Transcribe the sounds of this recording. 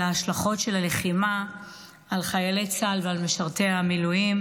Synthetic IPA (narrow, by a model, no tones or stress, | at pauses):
aaʃlaχo̞tʃelale̞χimaː | lχajalejt͡salvealmeʃaʁteamilujim